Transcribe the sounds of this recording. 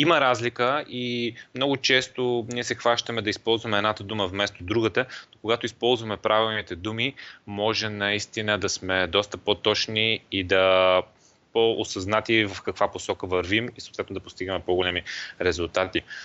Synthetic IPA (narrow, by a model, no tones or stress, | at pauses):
iməɾazlikəimnɔɡʊt͡ʃɛst̪oniɛsɛxvaʃt̪əmɛd̪ɐispɔlˠzvɐmɛːd̪nat̪əd̪uməvmɛst̪od̪ɾuɡət̪ənokoɡat̪oispɔlˠzvɐmɛpɾavilˠnit̪ɛd̪umimɔʒɛnɐist̪inəd̪ɐsmɛd̪ɔst̪əpot̪ɔt͡ʃniːd̪ɐ | poosɐznat̪ivɐfkɐkvaposɔkəvɐɾvimisot̪vɛt̪nod̪ɐpost̪iɡəmɛpoɡʊlɛmiɾɛzʊlˠt̪at̪i